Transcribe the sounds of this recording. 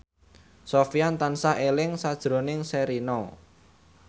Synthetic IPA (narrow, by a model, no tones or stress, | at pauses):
sofijant̪ansaʔelɪŋsad̥ʒ̥ɾonɪŋsɛɾinɔ